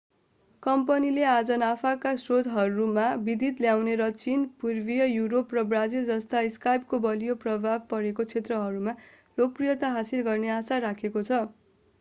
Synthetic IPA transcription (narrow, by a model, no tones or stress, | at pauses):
kʌmpʌnilead͡zʌnapʰakasrod̪ʱɦʌɾumabid̪it̪ljawneɾʌt͡sinpurbijʌjuɾoprʌbrad͡zild͡zʌst̪aiskajp̚kobʌlijoprʌbʱab̚pʌɾekot͡sʰet̪rʌɦʌɾuma | lok̚prijʌt̪aɦasilɡʌrneasaɾakʰekot͡sʰʌ